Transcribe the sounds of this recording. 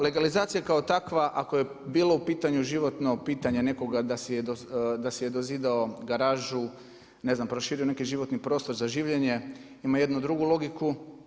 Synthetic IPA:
le̞ɡalizaːt̪sijakaot̪akʋaʔakoje̞ | biːloupiːt̪aɲuʒiʋo̞t̪no̞piːt̪aɲe̞ne̞ko̞ɡad̪asejed̪od̪asejed̪oziːd̪aoɡaɾaːʒu | ne̞znampɾoʃiːɾione̞kiʒiʋo̞t̪nipɾo̞ːst̪o̞ɾzaʒiːʋʎe̞ɲe̞ | imaje̞d̪nud̪ɾuɡulˠo̞ɡiku

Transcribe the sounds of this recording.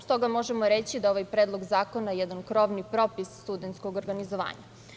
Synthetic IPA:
st̪o̞ɡamo̞ʒemoɾet͡ɕid̪aoʋajpɾed̪lˠoɡzaːko̞najɛd̪ankɾo̞ʋnipɾo̞pissːt̪ud̪ent̪skoɡoɾɡanizoʋa̰ːɲa̰

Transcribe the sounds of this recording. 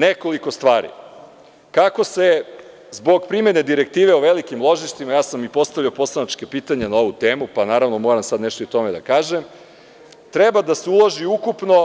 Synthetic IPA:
neko̞liko̞st̪ʋaːɾḭ | kako̞se̞ | zbo̞ɡpɾime̞ned̪iɾe̞k̚t̪iːʋe̞oʋelikimlˠo̞ʒiʃt̪imajaːsamipo̞st̪aʋʎjiopo̞slˠanat͡ʃkepiːt̪aɲenao̞ʋut̪eːmupanaːɾaʋno̞mo̞ːɾamsad̪neʃt̪oit̪o̞me̞d̪a̰kaːʒem | t̪ɾebad̪aseulˠoʒiukupno̞

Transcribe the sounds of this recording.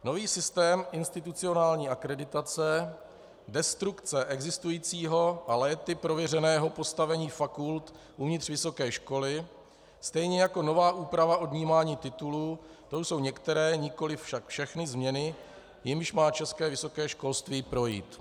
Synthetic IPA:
no̞viːsɪst̪ɛːmʔɪnst̪ɪt̪ut͡sɪo̞naːlɲiːʔakɾɛdɪt̪at͡sɛ | dɛst̪ɾukt͡sɛʔɛɡzɪst̪ujiːt͡siːɦo̞ʔalɛːt̪ɪpɾo̞vjɛrɛnɛːɦo̞po̞st̪avɛɲiːfakult̪ | ʔuvɲɪt̪r̥vɪso̞kɛːʃko̞lɪ | st̪ɛjɲɛjako̞no̞vaːʔuːpɾavaʔo̞dɲiːmaːɲiːt̪ɪt̪uluː | t̪oso̞wɲɛkt̪ɛɾɛːɲɪko̞lɪffʃakfʃɛxnɪzmɲɛnɪ | jɪmʃmaːt͡ʃɛskɛːvɪso̞kɛːʃko̞lst̪viːpɾo̞jḭːt̪

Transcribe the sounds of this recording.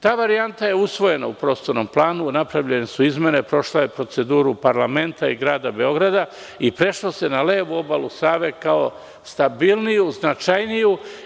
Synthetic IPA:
t̪aːʋaɾijant̪aje̞usʋo̞je̞na̰upɾo̞ːst̪o̞ɾno̞mplˠaːnunapɾaʋʎe̞nesuizme̞ne̞pɾo̞ʃlaje̞pɾo̞t̪se̞d̪uːɾupaɾlame̞nt̪aiɡɾaːd̪abe̞o̞ɡɾad̪a | ipɾe̞ʃlose̞nale̞ːʋuo̞balusaːʋe̞kao̞ | st̪abilˠnijuznat͡ʃajniju

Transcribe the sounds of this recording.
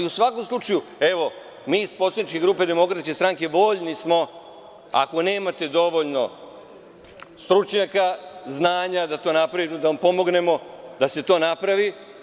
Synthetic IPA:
iusʋako̞mslˠut͡ʃajue̞ʋo̞ | miːispɾo̞t̪anit͡ʃke̞ɡɾuːpe̞d̪e̞mo̞kɾat̪ske̞st̪ɾaŋke̞ʋo̞ːʎnismo̞ | a̰ko̞ne̞ːmat̪e̞d̪o̞ʋo̞ʎno̞ | st̪ɾut͡ʃɲakaznaːɲad̪at̪o̞ːnapɾaʋimod̪aampo̞mo̞ɡne̞mo̞d̪ase̞t̪o̞ːnapɾaʋi

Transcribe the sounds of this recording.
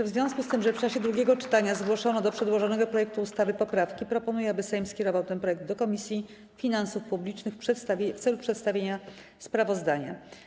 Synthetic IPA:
vzvʲjɔ̃skust̪ɘmʐɛft͡ʂaɕɛd̪ɾuɡʲɛɡɔt͡ʂɘ̥t̪aɲazɡwɔʂɔnɔd̪ɔpʂɛd̪wɔʐɔnɛɡɔpɾɔjɛk̚t̪uːst̪avɘpɔpɾafkʲipɾɔpɔnujɛabɘsɛjmskʲɛɾɔvawt̪ɛnpɾɔjɛɡ̚d̪d̪ɔkɔmʲisʲji | fʲinansufpublʲit͡ʂnɘxʂɛt̪st̪vʲft̪sɛlupʂɛt̪st̪avʲjeɲa | spɾavɔzd̪aɲa̰

